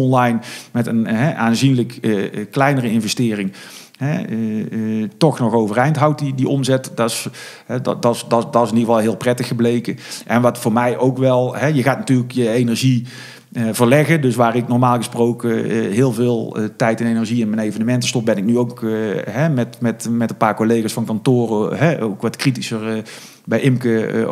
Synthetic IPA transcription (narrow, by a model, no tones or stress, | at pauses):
ɔnlɑjnmɛtənɦɛʔaːnzinləkklɛjnərəɪnvɛstɪːrɪŋ | ɦɛ | tɔxnɔxowvərɛjntɦawt̚didiʔɔmzɛtdɑs | ɛddɑsddɑsɪniəvɑlˠɦɪːlˠprɛtəxəblejkəʔɛnʋɑtfʊːɹmɛjʔowkʋɛlˠɦɛjəɣaːtnatyːləkjəejnəɹʒi | vərlɛɣədɵsʋaːrɪknɔrmaːlˠɣəsprowkəɦɪːlˠvɪːlˠtɛjtɪnejnəɹʒiɪnmənejvənəmɛntə̥stɔp̚bɛnɪk̚nyowkɦɛmɛtmɛtmɛtənpaːɹkolejɣaːsfɑnkɑntoːrəɦɛo̰wkʋɑtkritisər | bɛjʔɪmkə̰